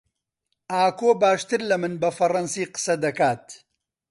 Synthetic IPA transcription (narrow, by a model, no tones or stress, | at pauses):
aːkoːbaːʃt̪ɨɾlɐmɨnbɐfɐrɐnsiːqɨ̥sɐd̪ɐkaːt̪